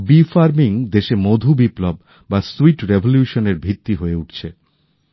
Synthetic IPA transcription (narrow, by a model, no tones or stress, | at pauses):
bifaɾmiŋd̪eʃemod̪ʱubiplob | basuiʈɾebʱoljuʃoneɾbʱit̪ːiɦoeuʈt͡ɕʰe